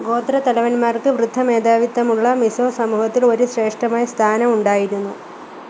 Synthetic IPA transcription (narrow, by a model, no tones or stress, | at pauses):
ɡo̞ːt̪ɾɐt̪ɐlɐʋɐnmaːrkɨʋrɨd̪ʱːɐme̞ːd̪aːʋit̪ːɐmuɭːɐmiso̞ːsɐmuːhɐt̪ːilo̞ɾuɕre̞ːʂʈɐmaːjɐst̪ʰaːnɐmuɳɖaːjiɾunːu